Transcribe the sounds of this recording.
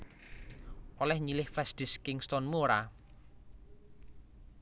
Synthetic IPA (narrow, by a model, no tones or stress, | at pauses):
ʔolɛhɲilɪhflɛsd̥ɪ̤skɪŋst̪ɔnmoɾa